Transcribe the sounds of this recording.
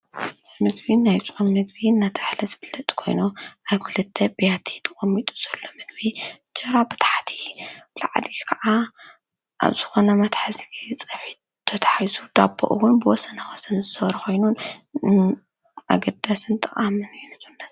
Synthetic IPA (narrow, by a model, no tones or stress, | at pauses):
ɨzimɨɡbinajt͡sʼummɨɡ̚βinːat̪ʰɨ̥ħlɐzɨbɨlːɐt̪ʼkʰo̞̰jnuʔaβkʰɨlɨt̪ʰːɐbjat̪ʰi̥t̪ʰɨkʼɐmːit̪ʼu̥z̥ɐlːo̞mɨɡbi | d͡ʒʼɐɾabɨt̪ʰḁħat̪ʰi̥laʕd̪ikʰɐʔa | ʔa̰βzɨxo̞nɐmɐt̪ħazɡit͡sʼɐfħi | t̪ʰːɐt̪ʰɐ̥ħajzud̪abːo̰ʔuwʊnbɨwɔsɐnawɔsɐnzɨsɐβɾɐxo̞jnun | ʔa̰ɡɐd̪asɨnt̪ʼɐχʼamɨnɨjnɨzɨnːɐ